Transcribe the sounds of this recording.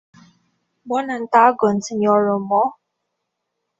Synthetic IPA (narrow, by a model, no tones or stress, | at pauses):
ɡ͡bɔnan̩taaɡɔn̩tɪɲɔɾʊm̩mɔ